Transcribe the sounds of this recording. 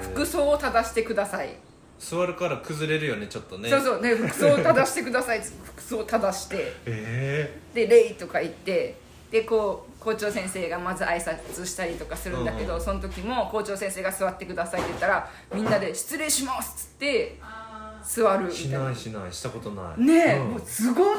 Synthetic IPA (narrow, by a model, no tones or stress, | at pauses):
ɸɯ̟̥kɯ̟so̞ːot̪ad̪aɕi̥t̪e̞kɯ̟d̪asaḭ | sɨβaɾɯ̟kaɾakɯzɨɾe̞ɾɯ̟jo̞ne̞t͡ɕo̞t̪ːo̞nesoːso̞ːneɸɯ̟kɯ̟soːt̪ad̪aɕi̥t̪e̞kɯ̟d̪asait͡sɨ̥t̪ːeɸɯ̥kɯ̟̥so̞ːt̪ad̪aɕi̥t̪e̞ed̪̥e̞ɾe̞it̪o̞kait̪ːe̞ | d̪̥e̞ko̞ː | ko̞ːt͡ɕo̞ːsẽ̞ɰ̃se̞ːɡamazɨʔaisat͡sɨɕi̥t̪aɾʲit̪o̞kasɨɾɯ̟̃nd̪ake̞d̪o̞so̞not̪o̞kʲimo̞ko̞ːt͡ɕo̞ːsẽ̞ɰ̃se̞ːɡasɨβat̪ːe̞kɯ̟d̪asait̪ːejt̪ːaɾa | mʲĩnːad̪e̞ɕi̥t͡sɨɾẽ̞ɕimasɨ̥ɨ̥t̪ːe̞ | sɨβaɾɯ̟iainaiɕi̥t̪akot̪ona̰ḭne̞mosɨɡo